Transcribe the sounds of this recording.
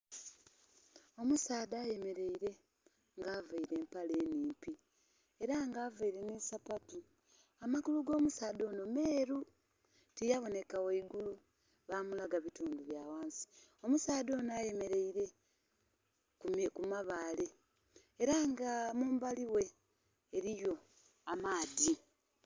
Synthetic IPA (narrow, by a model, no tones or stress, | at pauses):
o̞musaːdaːje̞me̞ɾe̞iɾe̞ | ŋɡaːvaiɾe̞ːmpale̞ːniːmpi | e̞ɾaŋɡaːvaiɾe̞nisapatu | amaɡuluɡo̞ːmusaːdo̞ːno̞me̞ːɾu | tijaβo̞ne̞kawoiɡulu | βamulaɡaβituːnduβjaːwaːnsi̥o̞musaːdo̞ːnaje̞me̞ɾe̞iɾe̞ | kumekumaβaːle̞ː | ɾaŋɡamuːmbaliwe̞ː | ɾijo̞ | amaːði